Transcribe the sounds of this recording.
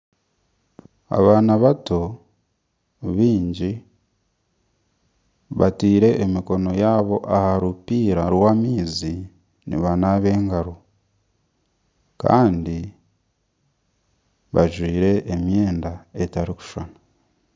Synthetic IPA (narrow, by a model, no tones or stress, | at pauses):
a̰βaːnaβato | βiːɲɟi | βa̰tiːɾe̞ʔːmiko̞no̞jaːβo̞ʔahaɾupiːɾaɾwamiːzi | nḭβanaːβe̞ːŋɡaɾo | ka̰ːndi | βa̰ʒwiːɾe̞ːmje̞ːndae̞taɾiku̥ʃwana